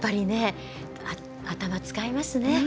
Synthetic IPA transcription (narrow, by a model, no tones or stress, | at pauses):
pːaɾʲine̞ | a | at̪amat͡sɨ̥kaimasɨne̞